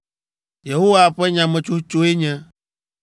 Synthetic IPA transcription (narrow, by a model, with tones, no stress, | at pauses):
je˨ɦo˦wa˦ɸɛ˦ɲã˨mɛ̃˨t͡ʃo˦t͡ʃo˦e˦ɲɛ̃˦